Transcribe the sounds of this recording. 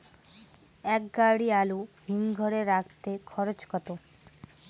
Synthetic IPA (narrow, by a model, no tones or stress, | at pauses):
ɛk̚ɡaɽialuɦiŋɡʱɔɾeɾakt̪ekʰɔɾot͡ɕkɔt̪o